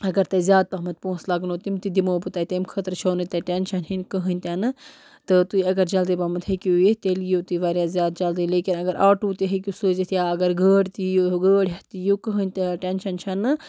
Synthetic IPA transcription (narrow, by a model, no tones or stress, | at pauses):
ɐɡɐɾt̪ɐzjaːd̪̚pɐɦmɐt̪põːslɐɡnoːt̪imt̪id̪imoːpɨt̪aːt̪emkʰɐt̪ɾt͡ʃʰoːnɨt̪ɐʈenʃɐnɦinʲkəɦənʲt̪ʲanɨ | t̪ɨt̪uɐɡɐɾd͡ʒɐld̪ibaːmɐt̪ʰhekʲiujet̪elijoːt̪uʋaːɾjaːzʲjaːd̪̚t͡ʃɐld̪ileːkinɐɡɐɾʔaːʈuːt̪iɦekʲusuːzet̪ʰʲjaːɐɡɐɾɡəːɽʲt̪ijoɡəːɽʲjɐt̪ijokəɦənʲt̪aʈenʃɐnt͡ʃʰɐnɨ